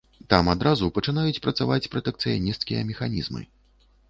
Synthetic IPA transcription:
t̪amad̪ɾazupɐt͡ʂɨnajut͡sʲpɾɐt̪savat͡sʲpɾɐt̪ɛk̚t̪sɨjanʲist̪kʲijɐ̰mʲɛxanʲizmɨ̰

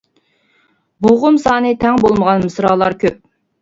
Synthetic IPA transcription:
boʁʊmsɑːnɨt̪ʰɛŋbolˠməʁɑnmɨsɾɑːlˠɑɾkʲøp̚

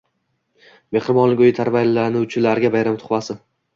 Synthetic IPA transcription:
me̞χɾɪmɒnlɪkʲʊjɪt̪ʰaɾvajlɪlːaɾnɪʊt͡ʃʰɪlaɾɡʲabajɾamt̪ʰʊ̥χvasɪ

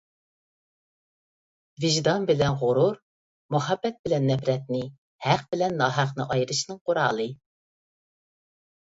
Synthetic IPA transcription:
vɪʒd̪ɑnbɪlɛnʁʊɾuɾ | muɦɑbːɛt̪̚bɪlɛnːɛpɾɛt̪nɪ | hæqbɪlɛnːɑːɦæqnɨ̰ʔɑjɾɨʃnɨŋqʰoɾɑːlˠɨ

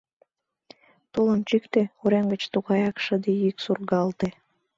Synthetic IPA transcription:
t̪ulənt͡ɕykt̪euɾenɡə̆t͡ɕt̪uɣɑjɑkʃəd̪iiksurɣɑlt̪e

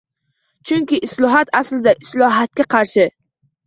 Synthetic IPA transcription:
t͡ʃʰʊŋʲkʲɪʔɪslˠɒɦat̪ʰaslɪd̪aʔɪslˠɒɦat̪̚kʲaqʰɑɾʃɪ

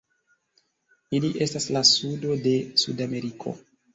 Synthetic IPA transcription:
iliʔe̞staslasudo̞de̞sṵdame̞ɾikʰo̰

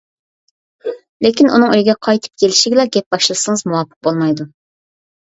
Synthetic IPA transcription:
lekʲinunɨŋøjɡʲɛqʰɑjt̪ʰɨ̥p̚kʲʰelɪʃiɡʲlˠɑɡʲɛp̚b̥ɑʃlˠɨsɨŋəzmuwɑːpʰɨ̥q̚bolˠmɑjd̪u

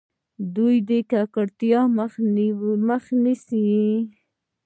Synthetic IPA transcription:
d̪ujd̪ekakəɽt̪jɑmənməxnisi

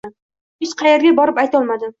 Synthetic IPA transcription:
ɪt͡ʃqʰɑjeɾɡʲabɒɾɪpajt̪ɒlˠmad̪ɪ

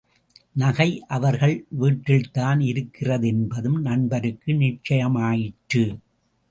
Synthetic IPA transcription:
nɐɣɐɪʔɐʋɐɾɣɐɭʋiːʈːɪɭt̪aːnɪɾɯkːɪrɐðɛnbɐðɯmnɐnbɐɾɯkːɯnɪt͡ʃːɐjɐmaːjɪʈːɯ

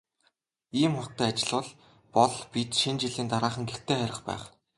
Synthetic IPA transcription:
iːmχʊt̪æːat͡ɕɪ̆ɮʊ̆ːɮ | pɔɮpit̪ʃint͡ɕiɮiːnt̪aɾaːχə̆ŋɡext̪ʰeːχæɾʲɪ̆χpæ̰ːχ

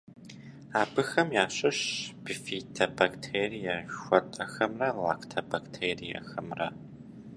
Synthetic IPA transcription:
aːbɨxɐmjaːɕʼɐɕb̥ɨfiːtʰɐbaktʰeːrijɐxʷɐtʼɐxɐmrɐla̰ːktʰɐbaktʰeːrijɐ̰xɐmrɐ̰

